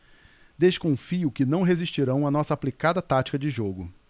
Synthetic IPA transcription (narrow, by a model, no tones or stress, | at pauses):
d̪eʃkõfiʊkɪnɐ̃w̃ɦeziʃt͡ʃiɾɐ̃w̃ɐnɔsɐːplikad̪ɐt̪at͡ʃi̥kɐd͡ʒɪʒoɡʊ